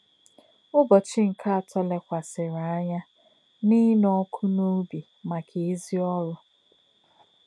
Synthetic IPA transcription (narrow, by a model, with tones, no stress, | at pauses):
ʊ˦bɔ˨t͡ʃɪ˦ŋ̩˨kʰa˦a˨tʰɔ˦le˨kʷa˨sɪ˨ɾa˨a˦ɲa˦ | ni˦nɔ˦kʰu˦no˦bi˨ | ma˨kʰe˨e˦zi˦ɔ˦ɾʊ˦